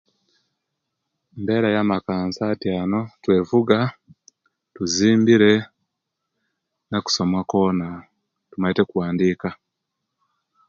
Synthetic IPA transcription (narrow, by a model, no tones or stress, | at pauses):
mbe̞ːɾajamakaːnsatiano̞twe̞ːvuɡa | tuziːmbiɾe̞ | naku̥so̞mwako̞na | tumaite̞kuwaːndiːka